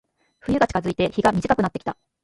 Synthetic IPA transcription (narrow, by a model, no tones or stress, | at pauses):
ɸɯ̟jɯ̟ɡat͡ɕi̥kazɨit̪e̞çiɡamʲiʑikakɯ̟nat̪ːeki̥t̪a